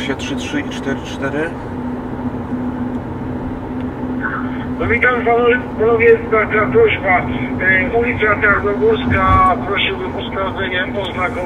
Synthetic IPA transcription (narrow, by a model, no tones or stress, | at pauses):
ɕatʂɘtʂɘit͡ʂt̪ɛɾɘt͡ʂt̪ɛɾɘ | nɔvʲit̪ampapanɔvʲjɛd̪aɾk̪apɾɔʑba | ulʲit̪sʲjataɾnɔɡuɾskapɾɔɕiwbɘmɔst̪anɔvʲɛɲɛpɔznaɡɔ